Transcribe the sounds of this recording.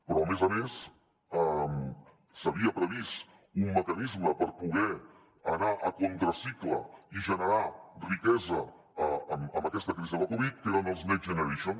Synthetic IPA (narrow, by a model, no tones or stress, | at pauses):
pɾɔəmezəmes | əm | səβiəpɾəβist̪ | umːəkənizməpəɾpuɣ̞ɛ | ənaʔəkont̪ɾəsikləiʒənəɾarikɛzəː | məmbəkɛst̪əkɾiziðəkuβit̪̚keɾənəlˠznɛʒənəɾeʃon